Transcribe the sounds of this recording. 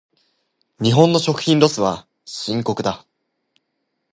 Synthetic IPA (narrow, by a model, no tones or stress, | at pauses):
ɲ̟iɦõ̞nːo̞ɕo̞kɯ̟̥çʲĩnɾo̞sɨβa̰ | ɕĩŋko̞kɯ̟d̪a